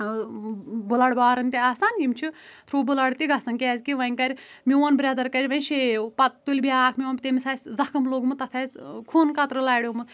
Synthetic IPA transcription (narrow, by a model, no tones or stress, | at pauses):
bulaɽbaːɾɨnʲt̪iaːsaːnɡimʲt͡ʃʰu | t̪ʰɾuːbulaɽt̪iɡɐsɐnkʲɛːzʲkiʋɐŋʲkɐɾʲmiwɐnbɾʲɐd̪ɐɾkɐɾʲʋɐnʃepɐtt̪ːulʲbiaːkʰmʲiwɐnpʲt̪emisaːsʲzɐkʰɐmloɡmut̪ɐt̪ʰaːskʰuːnkɐt̪ɾɨlaːjɽʲomu